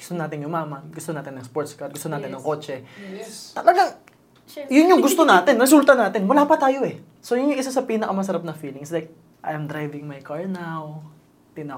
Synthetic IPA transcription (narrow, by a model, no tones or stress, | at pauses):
ɡʊ̥st̪onaːt̪ɪnʊmaːmɐɡʊst̪onaːt̪ɪnːɐŋspoɹt̪skɐd̪̚ɡʊst̪onaːt̪ɪnːɐŋko̞ːt͡ʃɛ | t̪ɐlɐɡaŋ | jʊnɲʊŋɡʊst̪onaːt̪ɪnɾɛs̬ult̪ɐnaːt̪ɪnwɐlaːpɐt̪aːjo̞ʔɛ | so̞jʊnjʊŋʔɪsasɐpiːnɐkɐmɐs̬ɐɾap̚nɐfiːlɪŋslajk̚ | ʔɐjɐmd̪ɾajvɪŋmɐjkaɹnaw | t̪ɪnɐ